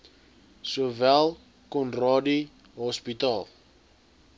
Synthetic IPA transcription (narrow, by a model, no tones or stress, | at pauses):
suvælˠ | kɔnrɑːdi | ɦɔspitɑːlˠ